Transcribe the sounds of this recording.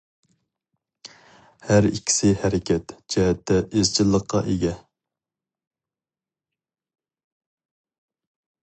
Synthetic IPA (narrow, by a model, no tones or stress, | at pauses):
hæɾḭkʲʰːi̥sɪhɛɾɪkʲɛt̪d͡ʒɛɦɛt̪ʰːɛʔezt͡ʃʰilˠːəqʰːɑ̰ʔeɡʲɛ